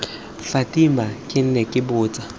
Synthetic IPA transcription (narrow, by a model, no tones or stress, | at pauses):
fatʼimakʼɪn̩nɛkʼɪbʊːt͡sʼa